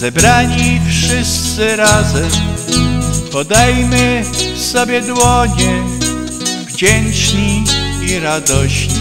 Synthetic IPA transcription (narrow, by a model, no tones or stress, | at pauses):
zɛbɾaɲifʂɘst̪sɘɾazɛm | pɔd̪ajmɘsɔbʲjɛd̪wɔɲɛ | vd͡ʑɛnt͡ʂɲiiɾad̪ɔɕɲi